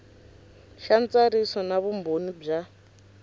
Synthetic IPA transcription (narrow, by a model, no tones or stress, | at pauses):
ʃant͡saɾisɔnaβumbʱonib͡ʐa